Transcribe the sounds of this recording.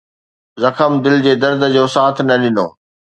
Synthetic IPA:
zɐkʰəmd̪ɪld͡ʑeːd̪ɐɾd̪ə̆d͡ʑoːsaːt̪ʰnɐɗɪno̰ː

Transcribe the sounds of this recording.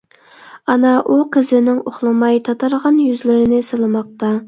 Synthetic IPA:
ɑnɑʔuqʰəzɪnɪŋoχlˠɨmɑjt̪ʰɑt̪ʰɑɾʁɑnjyzlɪɾɪnɪsɨlˠɨmɑq̚t̪ɑ

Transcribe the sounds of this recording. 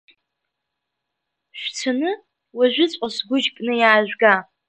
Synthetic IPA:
ʃᶣʷt͡sʷʰanɨ | waʒʷᶣɪt͡sʷʼosɡʷʊʒkʼnɨjaːʒᶣʷɡa

